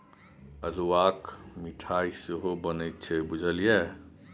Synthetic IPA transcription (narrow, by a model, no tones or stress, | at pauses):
əɾuwakmiʈʰaiseɦobənət̪̚t͡ʃʰɛbud͡ʒʱəlje